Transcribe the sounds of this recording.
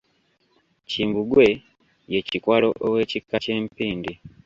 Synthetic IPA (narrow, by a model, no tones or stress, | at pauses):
ciːmbuɡwe̞ | je̞cikwalo̞ʔowe̞ːcikːace̞ːmpiːndi